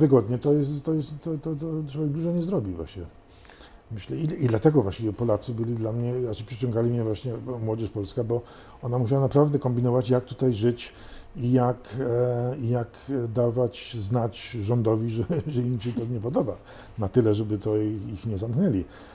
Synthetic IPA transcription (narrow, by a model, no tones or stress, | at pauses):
vɘɡɔd̪ɲɛt̪ɔjɛst̪t̪ːɔjɛst̪ːɔt̪ɔt̪ɔtwɔvʲɛɡ̚d̪uʐɔɲɛzɾɔbʲivwa̰ɕɲɛ | mɘɕlɛiid̪lat̪ɛɡɔvwaɕt͡ɕivʲjɛpɔlat̪sɨbɘlʲid̪lamɲɛaʂɛpʂɘt͡ɕɔ̃ŋɡalʲimɲɛvwaɕɲɛmwɔd͡ʑɛʂpɔlskabɔ | ɔnamuɕ̬awanapɾavd̪ɛkɔmbʲinɔvat͡ɕjak̚t̪u̥t̪ajʐɘt͡ɕ | ijak | jakd̪avat͡ɕznat͡ɕʐɔnd̪ɔvʲiʐɛʐɛimɕɛt̪ɔɲɛp̬ɔd̪ɔba | nat̪ɘlɛʐɛbɘt̪ɔixɲɛzamknɛlʲi